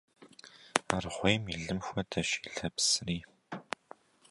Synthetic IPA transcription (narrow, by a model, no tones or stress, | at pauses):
arʁʷeːmiɮɨmxʷɐdʰɐʃiɮɐpsɨriː